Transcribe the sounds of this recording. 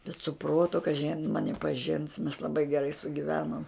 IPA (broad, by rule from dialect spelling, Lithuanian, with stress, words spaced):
bʲɛt sʊ ˈproːtʊ kɐˈʒʲɪ ɐ jɪn ˈmɑːnʲɪ pɐˈʒʲɪns mʲɛs lˠɐˈbɐɪ ɡʲɛˈrɐɪ sʊɡʲɪˈʋʲæːnoːm